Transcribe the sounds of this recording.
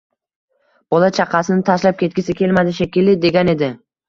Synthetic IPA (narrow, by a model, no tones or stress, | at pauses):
b̥ɒlˠat͡ʃʰaqʰɑsɪnɪt̪ʰaʃlap̚kʲe̞t̪̚kʲɪsɪkʲʰe̞lmad̪ɪʃakʲɪlɪd̪e̞ɡʲane̞d̪ɪ